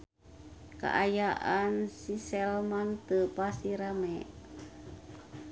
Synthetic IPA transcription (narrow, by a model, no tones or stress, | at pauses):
ka̰ʔajaʔansisɛlmaŋt̪əpasiɾamɛ